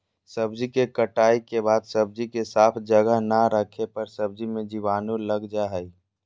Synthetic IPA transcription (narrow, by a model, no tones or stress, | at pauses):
səbd͡ʒikekəʈaːikebaːd̪səb̚d͡ʒikesaːpʰd͡ʒəɡəɦnaɾəkʰepəɾsəb̚d͡ʒimẽd͡ʒiʋaːnuləɡd͡ʒaɦɛi